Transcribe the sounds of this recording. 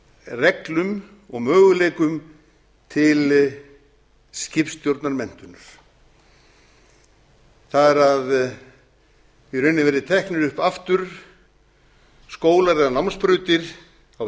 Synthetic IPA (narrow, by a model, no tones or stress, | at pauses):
rɛklʏm | ɔɣmœːɣʏleːjkʏm | t̪ʰɪl | scɪpst̪jowɾt̪naɾmɛn̥t̪ʏnʏɾ̥ | θaðɛɾað | vɪɾʏnɪvɛɾɪt̪ʰɛhknɪɾʏhpaft̪ʏɾ̥ | skoːwlaɾɛðanawmnspɾʏːɥt̪ɪɾ̥ | aw